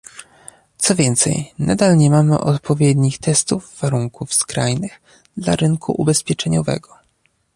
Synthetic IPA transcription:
t̪sɔvʲjɛnt̪sɛ̰jnad̪alɲɛmamɘ̰ʔɔt̪pɔvʲjɛd̪ɲixt̪ɛst̪uvːaɾuŋkufskɾajnɘx | d̪la̰ɾɘŋkʰṵʔubɛspʲjɛt͡ʂɛɲɔvɛ̰ɡɔ

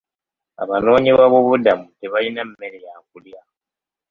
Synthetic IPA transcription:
a̰βano̞ːɲiβaβoβudamuteβalinam̩me̞lejakulja

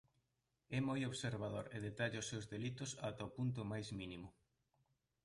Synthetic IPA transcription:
ɛmojoβseɾβaðoɾeðet̪aʎʊsːewzðelit̪ʊsat̪aopunt̪ʊmajzminimʊ

